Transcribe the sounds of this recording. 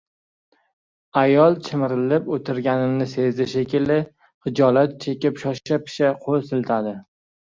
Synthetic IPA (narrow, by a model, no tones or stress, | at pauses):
ajɒlˠt͡ʃʰɪmɪɾɪlɪpot̪ʰɪɾɡʲanɪmnɪsezɪʃekʲɪlɪ | χɨd͡ʒɒlat̪̚t͡ʃʰe̞kʲɪpʃɒʃapʰɪ̥ʃaqʰolˠsɪlt̪ʰad̪ɪ